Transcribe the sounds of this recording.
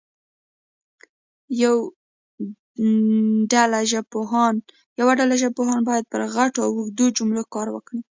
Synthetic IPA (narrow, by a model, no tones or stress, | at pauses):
jaw | ɖalaʒapoɦɑn | jawaɖalaʒapoɦɑnbɑjad̪̚pəɾɣaʈoawuxd̪od͡ʒʊmlokɑɾwə̰kɽi